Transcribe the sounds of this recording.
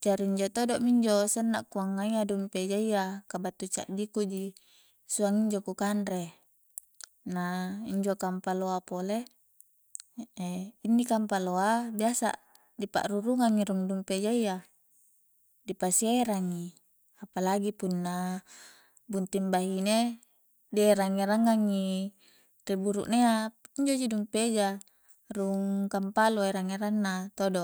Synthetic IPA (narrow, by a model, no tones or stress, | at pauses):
d͡ʒaɾiiɲd͡ʒot̪odɔʔmiɲd͡ʒosənːaʔkuaŋːaiadumped͡ʒaiakabat̪ːut͡ʃa̰ʔd͡ʒikud͡ʒi | suaŋiɲd͡ʒokukanɾe | naiɲd͡ʒokampaloapole | einːikampaloabiasa̰ | dipa̰ʔruɾuŋaŋːiɾuŋdumped͡ʒaia | dipasieɾaŋːi | apalaɡipunːa | bunt̪imbaɦine | deɾaŋeɾaŋaŋːi | t̪ebuɾṵʔneaiɲd͡ʒod͡ʒidumped͡ʒa | ruŋkampaloeɾaŋeɾanːat̪odo